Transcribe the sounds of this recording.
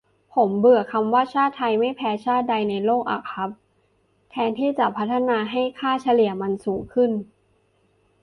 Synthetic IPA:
pʰo˩˦mbɯ˨˩əkʰa˧mwaː˥˩t͡ɕʰaː˥˩t̪ʰa˧jma˥˩jpʰɛː˧t͡ɕʰaː˥˩t̪̚da˧jna˧jloː˥˩k̚ʔa̰˨˩kʰa˦˥p̚ | t̪ʰɛː˧nt̪ʰiː˥˩t͡ɕa˨˩pʰa˦˥t̪ʰːa˧naː˧ɦa˥˩jkʰaː˥˩t͡ɕʰa˧li˨˩əma˧nsuː˩˦ŋkʰɯ˥˩n

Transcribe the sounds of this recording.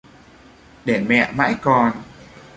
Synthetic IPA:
ɗe˧˩mɛ̰˧˨ma̰ː˧˥jkɔ˧n

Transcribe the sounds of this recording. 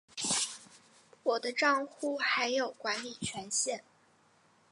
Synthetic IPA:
wɔ˨˩d̪ə˦ʈ͡ʂɑ˥˧ŋxu˥˩xa˧˥ɪjo˨˩ʊkwa˧˥nli˨˩t͡ɕʰɥɛ˧˥nɕjɛ˥˩n

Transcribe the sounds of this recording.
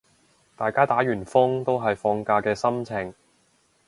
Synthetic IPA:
t̪aː˨jkaː˥t̪aː˨˥ɥyː˨˩nfʊ˥ŋt̪o˥wɦɐ˨jfɔː˧ŋkaː˧kɛː˧sɐ˥mt͡sʰɪ˨˩ŋ

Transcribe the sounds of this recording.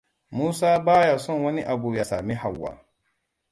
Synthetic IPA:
muː˦saː˦baː˦ja˨sɔ˦˨nwɐ˦ni˦ʔa˨buː˨ja˨saː˨mi˦ɦa˨wːa̰ː˨

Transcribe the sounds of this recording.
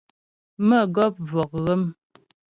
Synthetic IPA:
mə˦˨ɡɔ˦p̚vɔ˨k̚ɣə˦m

